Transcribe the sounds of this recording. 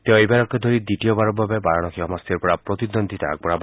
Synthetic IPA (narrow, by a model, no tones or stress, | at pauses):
t̪eɔebaɾɔkɔd̪ʱɔɾid̪iʈijɔbaɾɔbabebaɾaɽ̃ɔkʰiɦɔmast̪ɔɾpɔɽapɾɔt̪id̪ɔnd̪ʱit̪aak̚pɔɽab